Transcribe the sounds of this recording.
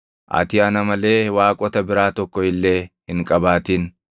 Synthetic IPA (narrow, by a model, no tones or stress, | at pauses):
ʔɐ̰t̪ɪɐnɐmɐle̞ːwaːkʼɔt̪ɐbɪɾaːt̪ɔkːɔhɪlːeːhɪŋkʼɐbaːt̪iːn